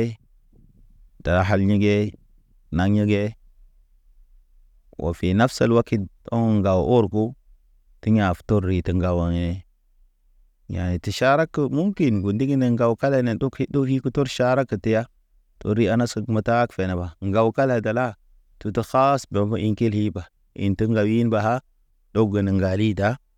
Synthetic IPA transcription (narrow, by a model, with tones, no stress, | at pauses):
ta˨ɦa˦lɲi˦ɡe˦ | na˨ŋɲi˦ɡe˦ | wʔa̰˨fi˨na˦fsa˨lwa˦ki˦n | o̰˦ŋ˨ŋɡa˨wʔo˦ɾku˦ | ti˦ɲa˨fto˦ɾːi˨tə˨ŋɡa˨wa˨ŋe˨ | ja̰˨ni˨ti˨ʃa˦ɾa˦kːə˨mu˦ŋki˨nɡu˨ndi˦ɡi˦ne˨ŋɡa˨wka˦le˨ne˨do˦ki˦do˦hi˦ku˦to˦ɾʃa˦ɾa˦kːə˨ti˦ja˦ | to̰˦ɾːi˦a˦na˦sə˦mə˨ta˦kfe˨ne˨ba˨ŋ˦ɡa˨wka˦la˨da˨la˦ | tu˦tə˦xa˦sbe˨˦bə˦ʔi˦ŋki˦lhi˦ba˨ | ḭ˨ntə˦ŋɡa˨wji˦nba˨ɦa˦ | do˦ɡə˨nə˨ŋɡa˨li˦da˨˦